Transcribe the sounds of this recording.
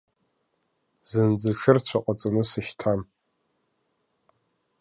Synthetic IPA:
zɨnd͡zɨʈ͡ʂʰɨrt͡ɕʷʰaqʼat͡sʼɨnɨsɨʃtʰan

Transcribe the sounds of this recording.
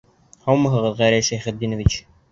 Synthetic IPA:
hɑwmɤ̆ɦɤ̆ʁɤðʁæɾæʃæjχɘ̆t̪̚d̪inovit͡ɕ

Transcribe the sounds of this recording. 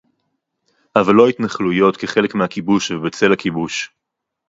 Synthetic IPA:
ʔavalːo̞it̪naχlujo̞t̪keχe̞lekmehakibuʃvebet͡se̞lakibuʃ

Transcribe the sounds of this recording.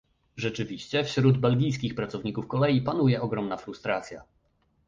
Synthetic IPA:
ʐɛt͡ʂɘvʲiɕt͡ɕɛfɕɾud̪bɛlɡʲijs̬kʲixpɾat̪sɔvɲikufkɔlɛjipanujɛɔɡɾɔmnafɾust̪ɾat̪sʲja̰

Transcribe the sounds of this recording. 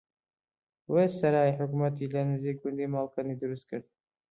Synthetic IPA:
wesɐɾaːjħʊkumɐt̪iːlɐnɨziːk̚ɡʊnd̪imaːlkanid̪ɨɾust̪̚kɨɾd̪̚

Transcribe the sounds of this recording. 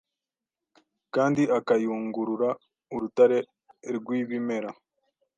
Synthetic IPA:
kaːndiʔakajuːŋɡuɾuɾa | uɾutaɾe̞ | ɾɡwiːβime̞ɾa

